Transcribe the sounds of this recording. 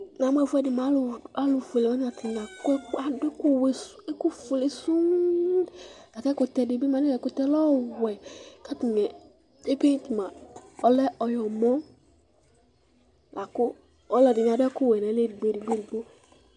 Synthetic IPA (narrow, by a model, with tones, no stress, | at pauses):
nã˨m˦ɛ˦˨fɛ˦dɪ˨mã˨˦lʊ˨a˨lʊ˨fe˨le˨ɔ˦ɲ˦a˨t̪ʰɪ˨nã˨kʊ˦ɛ˦a˨dʊ˦kʊ˦wɛ˨se˦kʊ˦fʊ˨le˨sʊ˦ | a˨kɛ˦kʊ˨t̪ɛ˨dɪ˨bi˦mã˨nɪ˦ɛ˨kʊ˨t̪ɛ˦lɔ˦wɛ˨ka˦t̪ɪ˨ɲɛ˨ | e˦pe˦t̪ɪ˨mã˨ɔ˦lɛ˦ɔ˨jɔ˨mɔ̃˦ | lʔa˨kʊ˦ | ɔ˦lɛ˨dɪ˨ɲ˨a˨dɛ˦kʊ˦wɛ˨nɛ̃˨˦le˦dɪ˨ɡ͡be˦˨dɪ˨ɡ͡be˦ɾi˨ɡ͡bo˦